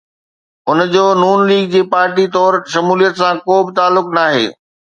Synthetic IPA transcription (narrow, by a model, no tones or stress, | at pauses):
ʊnd͡ʑoːnuːnliːɡ̚d͡ʑeːpaːɾʈit̪ɔːɾʃɐmuːlijət̪sãkoːbɪt̪aːlːʊknaːɦḛː